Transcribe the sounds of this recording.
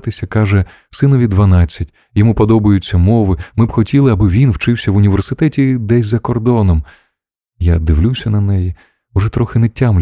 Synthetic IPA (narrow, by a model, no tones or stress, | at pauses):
t̪ɪsʲɐkɑʒɛ | sɪnɔʋʲid̪ʋɐnɑt͡sʲːɐtʲ | jɔmupɔd̪ɔbɐjʊt͡sʲːɐmɔʋɪmɪbxɔtʲilˠɪɐbɪʋʲinwt͡ʃɪwsʲɐʋʊnʲiʋersɪt̪ɛtʲid̪ɛsʲzɐkɔrd̪ɔnɔm | jad̪ɪʋlʲusʲɐnɐnɛji | ʊʐɛt̪ɾɔxɪnɛtʲːamlʲ